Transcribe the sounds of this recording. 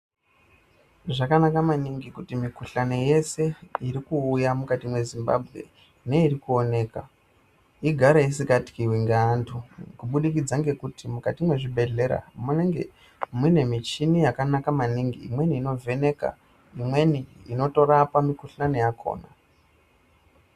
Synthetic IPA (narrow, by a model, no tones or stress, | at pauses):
ʐakanakamaniŋɡikutimikuɬane̞je̞se̞iɾikuːjamukatimwe̞zimba̰bʱɣe̞̰ | ne̞iɾikuo̞ne̞ːka | iɡʱaɾaisikati̥kiwiŋɡaːntʰukuɓuɗikid͡zaŋɡe̞kutimukatimwe̞ʐibʱe̞ɮe̞ɾa̰muneŋɡḛ | mwine̞mit͡ʃinijakanakamaniŋɡḭːmwe̞niːno̞vʱe̞ne̞ka̰ | imwe̞niino̞to̞rapamikuɬane̞jakʰo̞̰ːna